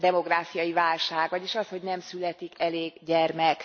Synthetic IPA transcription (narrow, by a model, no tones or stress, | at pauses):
d̪ɛmo̞ɡraːfijɒjivaːlʃaːɡʋɒɟeːʃɒsho̞ɟnɛmsylɛt̪ikɛleːɡɟɛrmɛk